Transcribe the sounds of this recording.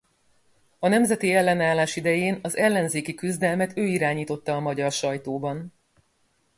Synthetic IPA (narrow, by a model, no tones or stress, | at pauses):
ɒnɛmzɛt̪iɛlːɛnaːlːaːʃid̪ɛjeːnɒzɛlːɛnzeːkikyzd̪ɛlmɛt̪ʰøːiɾaːɲiːt̪o̞t̪ːɒːmɒɟɒrʃɒjt̪oːbɒn